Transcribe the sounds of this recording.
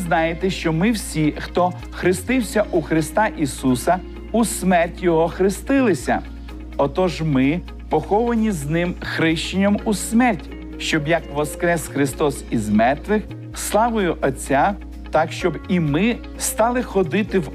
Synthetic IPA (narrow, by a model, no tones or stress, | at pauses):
znɑjet̪ɛʃt͡ʃɔmɪwsʲixt̪ɔ | xɾɪst̪ɪwsʲɐʔuxɾɪst̪ɑʔisusɐ | usmɛrʲtʲjɔɦɔxɾɪst̪ɪlˠɪsʲɐ̰ | ɔt̪ɔʒmɪ | pɔxɔʋɐnʲiznɪmxɾɪʃt͡ʃɪnʲɐmusmɛrʲtʲ | ʃt͡ʃɔbjɐkʋɔskɾɛsxɾɪst̪ɔsizmɛrt̪ʋɪx | slˠɑʋʊjʊʔɔt͡sʲːa | t̪ɑkʃt͡ʃɔbimɪ | st̪ɑlˠɪxɔd̪ɪt̪ɪw